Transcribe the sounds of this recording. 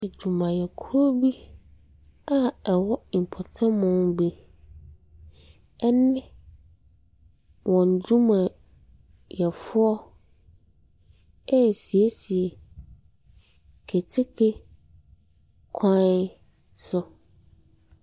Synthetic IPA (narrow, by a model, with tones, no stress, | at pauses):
e˨d͡ʑu˨mã˨jɛ˨kʰo˦bi˦ | a˦ɛ˨wɔ˦˨pʰɔ˨tʰã˦mʊ̃˦nbe˦ | ɛ˦nɪ̃˦ | wɔ̃˨n˨d͡ʑu˦mã˨ | jɛ˨fʊ˦ɔ˦ | ɛ˦˨si˨e˦si˨e˨ | kʰe˨tʰɪ˦kʰe˦ | kʰã˦n | sʊ˦